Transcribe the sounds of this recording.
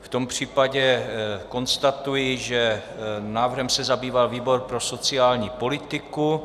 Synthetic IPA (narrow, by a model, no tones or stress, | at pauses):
ft̪o̞mpr̝̥iːpaɟɛko̞nst̪at̪ujɪʒɛnaːvrɦɛmsɛzabiːvalviːbo̞ɾpɾo̞so̞t͡sɪaːlɲiːpo̞lɪt̪ɪku